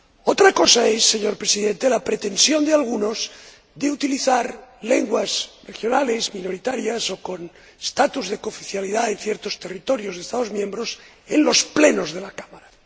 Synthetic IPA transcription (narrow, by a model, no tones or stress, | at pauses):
ot̪ɾako̞saesːeɲo̞ɾpɾesiðe̞nt̪elapɾet̪e̞nsjo̞nd̪ealɣ̞unoz | ðeut̪iliθaɾle̞ŋɡwazrexjo̞nale̞zmĩno̞ɾit̪aɾjaso̞kon | est̪at̪uzðe̞kofiθjaliðaen̟θjeɾt̪ost̪e̞rit̪o̞ɾjozðest̪að̞o̞zmjẽmbɾo̞s | enlo̞spleno̞zð̞elakamaɾa